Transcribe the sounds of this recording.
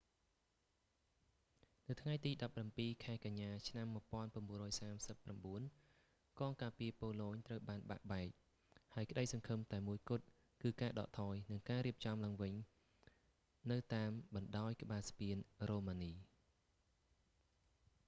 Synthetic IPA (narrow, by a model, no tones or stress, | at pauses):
nɨwt̪ʰŋajt̪iːɗɑpːrampiːkʰaɛkaɲːaːt͡ɕʰnamːŭəpŏənpʊ̆ənɓuərɔːjsaːmsəpːramɓuən | kɑːŋkaːpiəpoːloːɲt̪rəwɓaːnɓa̰ʔɓaɛk̚ | haəɔjkə̆ɗəjsɑŋkʰɨmt̪aɛmuəjkʊət̪̚ | kɨːkaːɗɑ̰ːʔt̪ʰɑːjnɨŋkaːɾiəp̚t͡ɕɑmlaːŋʋɨɲ | nɨwt̪aːmɓɑnɗaɔjkə̆ɓaːspiənroːmaːniː